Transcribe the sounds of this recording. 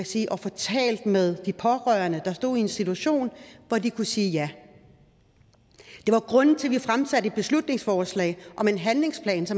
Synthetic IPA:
æsiːʔɒ̽fɒ̽t͡sʰɛ̰ːld̥með̞ˠd̥ipʰɒ̽ʁœːɐnəd̥ɑ̈sd̥o̝̰ð̰ˠie̝nsit͡sʰuæɕo̝̰ːnʋɒdikʰusiːjæ | d̥e̝ʋɑ̈ɡ̥ʁɔ̽nn̩t͡sʰe̝lʋifʁamsæd̥əe̝d̥̚b̥e̝slud̥ne̝ŋsfɒːslɛ̰ːɪʔɒ̽me̝nɦænle̝ŋspʰlɛ̰ːnsɒ̽m

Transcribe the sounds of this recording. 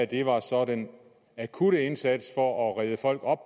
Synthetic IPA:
æd̥e̝ʋɑ̈sɒ̽d̥en | ækʰuɾ̥əe̝nsæd̥sfɒ̽ʔɒ̽ʁɛð̞ˠəfɒ̽l̰ɡ̥ɒ̽b̥̚

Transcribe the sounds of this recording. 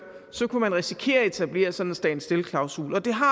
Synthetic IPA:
sɒ̽kʰumænʁɛsi̥kʰe̝̰ːɐe̝t͡sʰæb̥le̝̰ːɐsɒ̽n̥sd̥ɛ̰nsd̥e̝lkʰlɑ̈ʊsṵːlɒ̽d̥e̝ɦɑ̈

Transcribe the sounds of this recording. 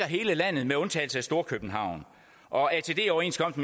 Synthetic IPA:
ɐɦe̝ːləlæn̰ð̩ˠmeɔ̽nt͡sʰɛ̰ːlsəæsd̥o̝ɐkʰøb̥n̩ɦɑ̈ʊ̰n | ʔɒ̽æt͡sʰe̝d̥e̝̰ːɒʊe̝̰ːnskʰɒ̽m̰d̥m

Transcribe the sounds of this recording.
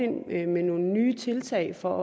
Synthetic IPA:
enmeno̝ːl̩nyːt͡sʰe̝lt͡sʰɛɪ̰fɒ

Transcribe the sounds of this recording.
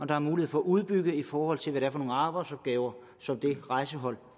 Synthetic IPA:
ɒ̽d̥ɑ̈æɐmuːlihe̝ð̩ˠfɒ̽ːʔuð̞ˠb̥yɡ̥ðˠifɒːhɒ̽l̰t͡sʰe̝lʋæɾeæɐfɒ̽no̝ːn̩ɑ̈ːb̥ɑɪdsɒ̽b̥ɡ̥ɛːʊɐ | sɒ̽md̥e̝ʁɑ̈ɪsəɦɒ̽l̰

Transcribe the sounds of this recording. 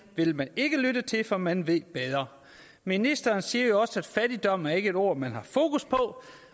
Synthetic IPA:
ʋe̝lmæne̝ɡ̥əlydət͡sʰe̝lfɒ̽mænʋe̝ð̰ˠb̥eðˠɐ | minisd̥ɐːnsiːɐjo̝ɒ̽səæd̥fæd̥id̥ɒ̽m̰æɐe̝ɡ̥əe̝do̝ɐ̰mænhɑ̈fo̝ːkuspʰɒ̽

